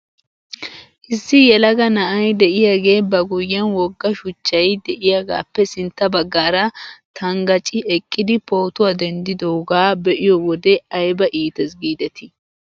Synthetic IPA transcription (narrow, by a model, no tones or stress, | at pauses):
ʔɪsːɪjɛlɐɡɐnɐʔɐjd̪ɛʔɪjaːɡe̞ːbɐɡʊjːɛnwɔɡːɐʃʊt͡ʃːɐjd̪ɛʔɪjaɡa̰ːpːɛsɪnt̪ːɐbɐɡːaːɾɐt̪ʰɐŋɡɐt͡ʃʼɪʔɛkʼːɪd̪ɪpo̞ːt̪ʊwad̪ɛnd̪ɪd̪oɡaːbɛʔɪjɔwɔd̪ɛɐjbɐʔiːt̪ɛs̬ɡiːd̪ɛt̪ɪ